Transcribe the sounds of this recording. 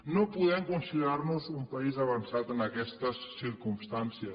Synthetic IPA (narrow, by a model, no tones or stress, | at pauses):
nɐ̃puðɛmkõnsiʎaɾnʊzũmpaizɐβɐ̃nsaðenɐkɛst̪ɐsːiɾkũmʃt̪ãnsjɐ